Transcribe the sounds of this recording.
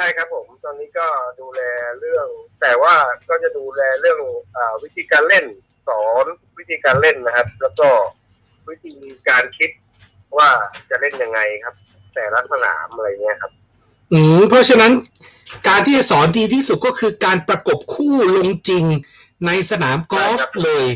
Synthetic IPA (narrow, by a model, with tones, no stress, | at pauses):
t͡ɕʰa˥˩jkʰa˦˥pʰːo˩˦mt̪ɔː˧nːiː˦˥kɔː˥˩duː˧lɛː˧ɾɯ˥˩əŋt̪ɛː˨˩waː˥˩kɔː˥˩t͡ɕa˨˩duː˧lɛː˧ɾɯ˥˩əŋʔaː˨˩wi˦˥t̪ʰiː˧kaː˧nle˥˩n | sɔː˩˦nwi˦˥t̪ʰiː˧kaː˧nle˥˩nːa˦˥kʰa˦˥p̚lɛː˦˥wkɔː˥˩ | wi˦˥t̪ʰiː˧kaː˧nkʰi˦˥t̪̚ | waː˥˩t͡ɕa˨˩le˥˩nja˧ŋːa˧jkʰa˦˥p̚ | t̪ɛː˨˩la˦˥t̪̚sa˧na̰ː˩˦mʔa˧ɾa˧jŋːi˦˥ɐkʰa˦˥p̚ | ʔɯː˧˩pʰɔ˦˥t͡ɕʰa˧˥na˦˥n | kaː˧nt̪ʰiː˥˩t͡ɕa˨˩sɔː˩˦ndiː˧t̪ʰiː˥˩su˨˩t̪̚kɔː˥˩kʰɯː˧kaː˧npɾa˧ko˨˩p̚kʰuː˥˩lo˧ŋt͡ɕi˧ŋ | na˧jsa˧naː˩˦mkɔː˦˥f̚lɤː˧j